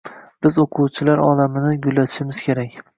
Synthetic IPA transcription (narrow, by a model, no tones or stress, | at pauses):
b̥ɪzoqʰuwt͡ʃʰɪlaɾɒ̰lamɪnɪɡʊlːat̪ʰɪ̥ʃɪmɪz̥kʲʰe̞ɾakʲ